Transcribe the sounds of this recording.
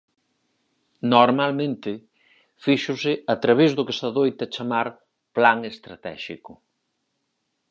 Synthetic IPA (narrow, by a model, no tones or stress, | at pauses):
noɾmalmẽnt̪ɪ | fiʃʊsɪat̪ɾaβezðʊkest̪aðojt̪ɐt͡ʃamaɾ | plaŋest̪ɾat̪ɛ̰ʃikʊ